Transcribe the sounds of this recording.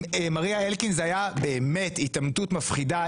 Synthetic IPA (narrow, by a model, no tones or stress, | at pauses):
maʁiaelkinzajabe̞ːme̞titamtutmɐfχida